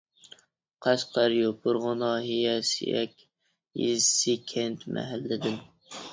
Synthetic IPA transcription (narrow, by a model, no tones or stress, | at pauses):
qʰæʃqʰɑɾjobʊɾʁʊnɑːɦijɛsḭjɛ̰kʲ | jḭzsikʲʰɛnt̪mæ̰ɦælːɪd̪ɪn